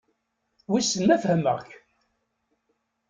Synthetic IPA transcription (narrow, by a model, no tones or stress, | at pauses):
wisənːæfhəmə̰ʁç